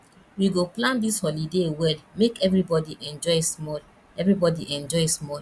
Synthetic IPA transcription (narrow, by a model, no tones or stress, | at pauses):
wiɡoplãndishɔlidewɛlmekɛvɹibɔdiʔɛ̃nd͡ʒɔjsmɔl | ɛvɹibɔdiʔɛ̃nd͡ʒɔjsmɔl